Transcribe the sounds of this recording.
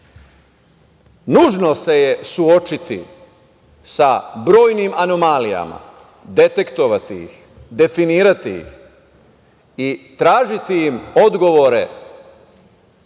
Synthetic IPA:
nuːʒno̞se̞je̞suo̞t͡ʃit̪ḭ | sabɾo̞ːjnimano̞malija̰ma̰ | d̪e̞t̪e̞kt̪o̞ʋat̪ijḭx | d̪e̞finiːɾat̪ijḭx | it̪ɾaːʒit̪ijimo̞d̪ɡo̞ʋoɾe̞

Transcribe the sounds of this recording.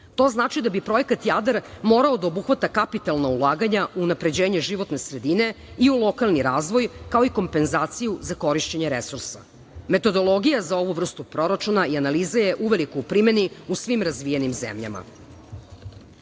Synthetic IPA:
t̪o̞znaːt͡ʃid̪abipɾo̞je̞kat̪jad̪eɾmo̞ːɾaod̪aobuxʋat̪akapit̪alˠnaulˠaːɡaɲaʔuːnapɾe̞d͡ʑeːɲeʒiʋo̞t̪ne̞sɾed̪ine | iulˠo̞kalˠniɾaːzʋo̞jkao̞iko̞mpe̞nzaːt̪sijuzako̞ɾiʃt͡ɕeɲeɾesuɾsa̰ | me̞t̪o̞d̪o̞lˠo̞ɡijazao̞ʋuʋr̩st̪upɾo̞ɾat͡ʃunaianalizajeʔuʋelikoupɾime̞niusʋimɾazʋijenimzḛmʎa̰ma̰

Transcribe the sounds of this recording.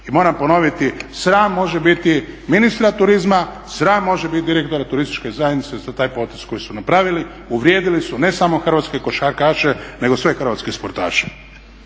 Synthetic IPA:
imo̞ːɾampo̞no̞ʋit̪isɾaːmːo̞ʒebit̪iminist̪ɾat̪uɾizma | sɾaːmːo̞ʒebit̪̚d̪iɾe̞kt̪o̞ɾat̪uɾist̪i̥t͡ʃkezajed̪nit̪ezat̪aːjpo̞t̪eskojisunapɾaːʋili | uʋɾjeːd̪ilisune̞samo̞xr̩ʋat̪ske̞ko̞ʃaɾkaːʃene̞ɡo̞sʋe̞xrʋat̪skespoɾt̪a̰ːʃe̥

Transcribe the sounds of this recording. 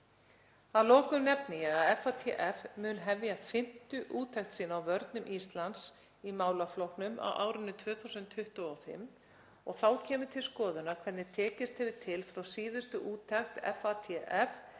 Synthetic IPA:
aðlɔːkʏmnɛpnɪjɛɣaðɛfat̪ʰɛʔɛfmʏːnɦɛvjafɪm̥t̪ʏʔuːt̪ʰɛxt̪siːnaawvœɾt̪nʏmʔist̪lans | imaːwlaflɔwhknʏma̰wʔa̰ːwɾʏnːʏt̪ʰvœːθuwsʏnt̪ʰːʏht̪ʏɔfɪ̰mː | ɔɣθawcʰɛːmʏt̪ʰɪlskɔːðʏnakʰvɛɾt̪nɪt̪ʰɛːcɪst̪hɛvɪt̪ʰɪlfɾawsiːðʏst̪ʏʔuːt̪ʰɛxt̪ɛ̰fat̪ʰɛʔɛf

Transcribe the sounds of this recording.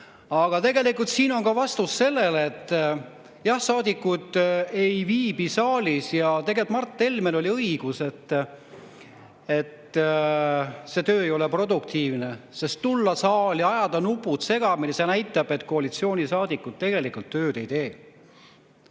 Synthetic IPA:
ɑɡ̥ɑt̪e̞ɡe̞likːˑult̪siːno̞nkɑvɑst̪usːe̞lːe̞leːt̪ˑː | jɑhsɑːd̪ikːud̪̥e̞jviːbisɑːlʲisjɑt̪e̞ɡelt̪mɑrt̪ˑːe̞lmelo̞lʲiɤiɡ̥use̞t̪ː | e̞t̪ː | se̞t̪øːejo̞lepro̞d̪uk̚t̪ʰiːvnesest̪ːulːɑsɑːliɑjɑd̪̥ɑnupːˑut̪se̞ɡ̥ɑmilsenæjt̪ːˑɑb̥e̞t̪ːˑko̞ɑlit̪sio̞ːnʲisɑːd̪ikːˑut̪t̪ːe̞ɡ̥e̞likːˑult̪ːøːd̪e̞jt̪e̞ː

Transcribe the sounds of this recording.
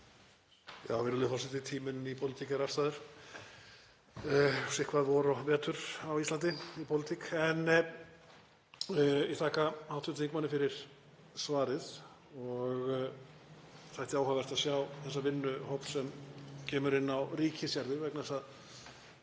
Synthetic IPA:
ja̰ːwvɪɾʏlɪfɔlsɛt̪ɪt̪ʰiːmʏnipʰowlɪt̪ikaɾast̪aðʏɾ̥ | sɪhkʰvaðvɔɾɔvɛːt̪ʏɾ̥awist̪ant̪ɪipʰowlɪt̪ʰikɛnː | jɛt̪ʰaːkahawt̪ʰʏt̪iŋkmanːɪfɪɾɪɾ̥ | svaːɾɪð | ɔɣ | θajht̪ɪaːwɦavɛɾ̥t̪aðsjawθɛsːavɪnːʏhowpn̥sɛmcʰɛːmʏɾɪnːawriːcɪsjaɾðɪvɛknaðɛsað

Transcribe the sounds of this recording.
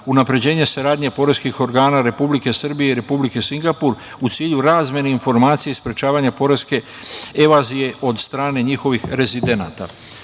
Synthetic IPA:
unapɾe̞d͡ʑe̞ːɲe̞saɾaːd̪ɲepo̞ɾe̞skixo̞ɾɡaːnaɾe̞publike̞sr̩bije̞iɾe̞publike̞siŋɡapuɾ | ut̪siːʎuɾaːzmje̞neinfo̞ɾmaːt̪sijeispɾe̞t͡ʃaːʋaɲapo̞ɾe̞ske̞ | eʋaːzije̞o̞d̪st̪ɾaːne̞ɲixo̞ʋixɾe̞zid̪e̞na̰ːt̪a̰

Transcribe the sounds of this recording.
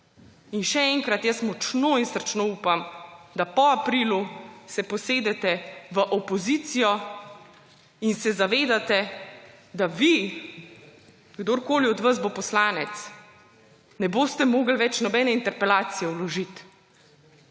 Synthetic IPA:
inʃɛɛŋkɾat̪jəsmɔt͡ʃnoinst̪ɾt͡ʃnouːpamd̪apɔapɾiːlusɛpɔseːd̪ɛt̪ɛʋəʔɔpɔzit̪sijɔ | insɛzaʋeːd̪at̪ɛ | d̪aʋi | ɡd̪oːɾkoːliɔd̪ʋazbopɔslaːnɛt̪s | nɛboːst̪ɛmoːɡlʋɛt͡ʃnɔbɛːnɛint̪ɛɾpɛlaːt̪sijɛulɔʒit̪

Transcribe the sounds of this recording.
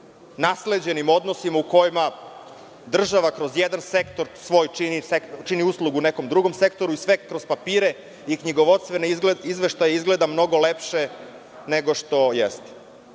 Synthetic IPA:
nasle̞d͡ʑe̞nimo̞d̪nosimauko̞jima | d̪r̩ʒaʋakɾo̞zjed̪ansekt̪o̞ɾsʋo̞ːjt͡ʃinisekt͡ʃiniuslˠuɡuːneko̞md̪ɾuɡo̞mse̞kt̪o̞ɾuisʋekɾo̞z̥papiːɾe̞ | ikɲiɡo̞ʋo̞t̪st̪ʋenizʋe̞ʃt̪ajeizɡle̞d̪amno̞ɡo̞lepʃe | neɡo̞ʃt̪o̞jest̪

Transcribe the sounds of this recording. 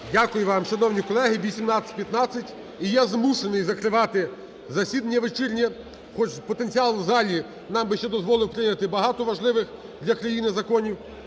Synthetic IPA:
dʲakʊjʊʋɑmʃɐnɔwnʲikɔlˠɛɦɪʋʲisʲimnɑt͡sʲɐ̥tʲpʲjɐt̪nɑt͡sʲːɐtʲ | ijɛzmuʃenɪjzɐkɾɪʋɑt̪ɪ | zɐsʲid̪ɐnʲːɐʋet͡ʃɪrʲnʲɛ | xɔt͡ʃpɔt̪e̞nʲt͡sʲiɑlˠzɑlʲi | nɑmbɪʃt͡ʃɛd̪ɔzʋɔlˠɪwpɾɪnʲɐt̪ɪbɐɦɑt̪ɔʋɐʒlˠɪʋɪx | d̪lʲɐkɾɐjinɪzɐkɔnʲiw

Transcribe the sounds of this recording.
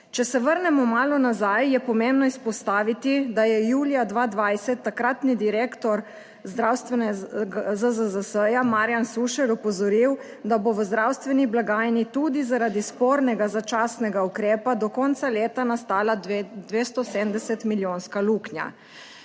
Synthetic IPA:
t͡ʃɛsɛʋəɾnɛmɔmaːlɔnazajjɛpɔmembnɔispɔst̪aːʋit̪id̪ajɛjuːlijad̪ʋaːd̪ʋajsɛt̪ːakɾat̪nid̪iɾeːkt̪ɔɾ | zd̪ɾawst̪ʋɛnɛɡzəzəzəsəjamaɾjansuʃɛɾɔpɔzɔɾiw | d̪aboʋəzd̪ɾawst̪ʋɛniblaɡaːjnit̪uːd̪izaɾad̪ispɔːɾnɛɡazat͡ʃaːsnɛɡaukɾeːpad̪ɔkɔnt̪saleːt̪anast̪aːlad̪ʋeːst̪ɔsemd̪ɛsɛt̪miljoːnskaluːknja̰

